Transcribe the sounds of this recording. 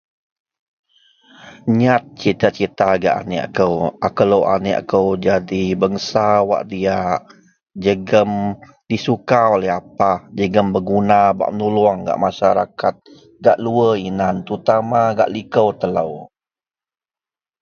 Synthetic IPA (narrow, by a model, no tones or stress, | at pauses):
ɲat̪̚t͡ʃit̪at͡ʃit̪aɡa̰ʔa̰neʔa̰kəwa̰kələwʔa̰neʔa̰kəwd͡ʒadibəŋsawa̰ʔdiaʔ | d͡ʒəɡəm | disukaolɛɦapad͡ʒəɡəmbəɡunaba̰ʔmənuluaŋɡa̰ʔmaʃaɾakat̪̚ | ɡaʔluəinant̪ut̪amaɡa̰ʔlikəwt̪ələw